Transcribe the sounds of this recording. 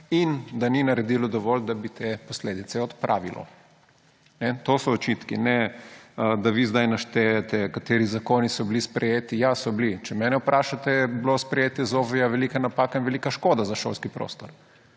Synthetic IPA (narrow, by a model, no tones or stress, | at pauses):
ind̪aninaɾɛd̪ilɔd̪ɔʋɔld̪abit̪ʰepɔsleːd̪it̪sɛɔt̪pɾʔa̰ːʋḭlʔɔ̰ | nɛt̪osɔɔt͡ʃit̪kinɛ | d̪aʋizd̪ajnaʃt̪ejat̪ɛkat̪eːɾizakonisɔblispɾɛjeːt̪ijasɔblit͡ʃɛmɛːnɛupɾaːʃat̪ɛɛblospɾɛjeːt̪jɛzofijaʋɛlikanapakainʋɛlikaʃkod̪azaʃo̰lskipɾo̰ːst̪ɔɾ